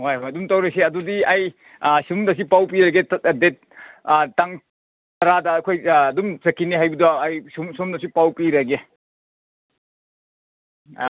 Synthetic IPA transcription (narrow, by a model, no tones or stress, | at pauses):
hojɦojɐdumtawɾeseɐdudiɐj | sumdɐsipawpiɾɐɡedet̚taŋ | tɐɾadɐːkʰojːdumsɐkʰːiniɦajbiduaajsumsumdɐsipawpiɾɐɡe